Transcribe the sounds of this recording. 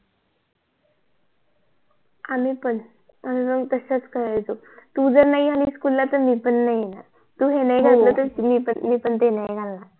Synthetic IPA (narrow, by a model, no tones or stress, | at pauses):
amipəɳ | amipəŋt̪əɕat͡skəɾajd͡zo | t̪ud͡zəɾnaialiːskulːat̪əɾmiːpənːaijena̰ɾ | t̪uːɦenajɡʱat̪lət̪əɾmipənmiːpəɳt̪enajeɡʱalːa